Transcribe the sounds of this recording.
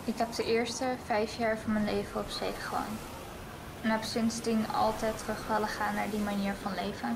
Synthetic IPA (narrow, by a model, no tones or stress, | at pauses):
ɪkɦɛp̚dəʔɪːɹstəvɛjfjaːɹvɑnmənlejvəɔpsejχəχlɑ̰n | napsɪnsdinɑ̰lˠtɛjtrɵχʋɛləχaːnːaːɹdimaniːɹvɑnlejvə